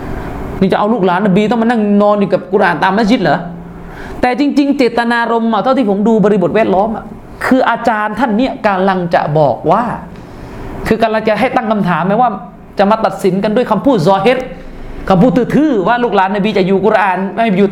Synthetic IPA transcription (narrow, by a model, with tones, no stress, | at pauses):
niː˧˩t͡ɕa˨˩ʔa˧wluː˥˩k̚laː˨˦nːa˨˧biː˧t̪ɔ˥˩ŋma˧na˥˩ŋnɔː˧njuː˨˩ka˨˩p̚kuː˧ɾaʔaː˨˩nt̪aː˧mnaː˦˥˩sʰi˦˥t̚lɤː˩˦ | t̪ɛː˨˩t͡ɕi˧ŋt͡ɕi˧ŋt͡ɕeː˨˩t̪ːa˧naː˧ɾo˧mːa˧˩t̪ʰa˥˩w̪t̪iː˥˩po˩˦mduː˧bɔː˧ɾi˦˧bo˨˩wɛː˥˩t̚lɔː˦˥mʔa˨˩ | kʰɯː˧ʔaː˧t͡ɕaː˧nt̪ʰa˥˩nːi˦˥˩əka˧nla˧ŋt͡ɕa̰˨˩bɔː˨˩k̚waː˥˩ | kʰɯː˧ka˧la˧ŋt͡ɕa˨˩ʔɦa˥˩jt̪a˥˩ŋkʰa˧mt̪ʰaː˩˦mːɛː˦˥waː˥˩ | t͡ɕa˨˩ʔmaː˧t̪a˨˩t̪̚si˨˩˦nka˧ndu˥˩əjkʰa˧mpʰuː˥˩t̪̚zɔː˧ɦe˦˥t̪̚ | kʰa˧mpʰuː˥˩t̪ʰːɯː˧˩t̪ʰɯː˧˥˩waː˥˩luː˥˩k̚laː˨˦nːa˧biː˧t͡ɕa˨˩ʔjuː˨˩ku˧ɾa˧ʔaː˨˩nma˥˩ha˨˩juː˨˩